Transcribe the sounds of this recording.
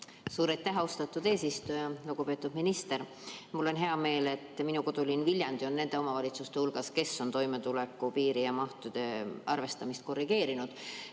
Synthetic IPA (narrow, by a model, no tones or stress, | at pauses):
suːɾɑjt̪ːˑæɦost̪ɑt̪ːˑud̪̥e̞ːsist̪ujɑluɡ̥upe̞ːt̪ːˑud̪̥minist̪e̞ɾ | mulːo̞nɦe̞ɑme̞ːle̞t̪ːˑminuko̞d̪̥ulinvilʲjɑnd̪̥io̞nne̞nd̪̥e̞o̞mɑvɑlʲit̪sust̪e̞hulɡ̥ɑske̞so̞nt̪o̞jme̞t̪ule̞kːˑupiːɾijɑmɑht̪ud̪̥e̞ʔɑrve̞st̪ɑmist̪̚ko̞rːiɡ̥e̞ːɾinud̪̥